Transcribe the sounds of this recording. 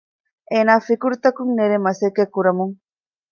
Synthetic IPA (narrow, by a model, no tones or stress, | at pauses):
enafikuɾt̪akuŋneɾemasekekuɾɐmuŋ